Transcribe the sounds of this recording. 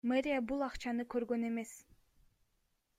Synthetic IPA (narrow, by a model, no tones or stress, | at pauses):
meɾʲijabulˠɑqt͡ʃɑnɯkø̞ɾɡø̞ne̞me̞s